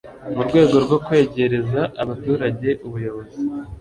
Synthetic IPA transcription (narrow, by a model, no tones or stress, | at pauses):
muɾɡwe̞ːɡo̞ɾɡo̞kwe̞ːɟe̞ɾe̞zaʔaβatuːɾaɟe̞ʔuβujo̞βo̞zi